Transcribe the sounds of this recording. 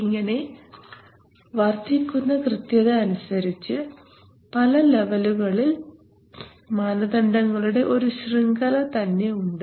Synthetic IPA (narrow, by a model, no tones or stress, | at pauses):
iŋːɐne̞ | ʋɐrt̪ikʲːunːɐkrɨt̪jɐðɨɐnusɐɾit͡ɕːɨ | pɐlɐle̞ʋɐluɣɐɭil | maːnɐd̪ɐɳɖɐŋːɐɭuɽe̞ʔo̞ɾuɕriŋɡɐlɐt̪ɐnːe̞uɳɖɨ